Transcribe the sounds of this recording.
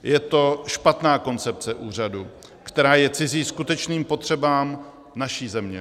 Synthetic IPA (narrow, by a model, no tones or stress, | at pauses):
jɛt̪o̞ʃpat̪naːko̞nt͡sɛp̚t͡sɛʔuːr̝adu | kt̪ɛɾaːjɛt͡sɪziːskut̪ɛt͡ʃniːmpo̞t̪r̝̥ɛbaːm | naʃiːzɛmɲɛ̰